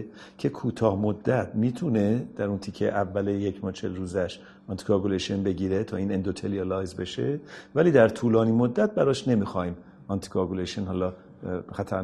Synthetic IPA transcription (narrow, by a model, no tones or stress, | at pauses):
cʰe̞kʰuːt̪ʰɒːhmod̪ːæt̪ʰmiːt̪ʰune̞d̪̥æɾunt̪ʰicʰːeʔævːælejecʰmɒːt͡ʃʰelɾuːzæʃ | ɒnt̪i̥kʰɒɡuleʃonbe̞ɟiːɾet̪ʰɒːiːnend̪ot̪ʰeliɒlɒːjzbe̞ʃevæliːd̪æɾt̪ʰuːlɒːniːmod̪ːæt̪̚bæɾɒːʃne̞miːxɒːim | ɒnt̪ʰi̥kʰɒɡuleʃonhɒːlɒː | xæt̪ʰæɾ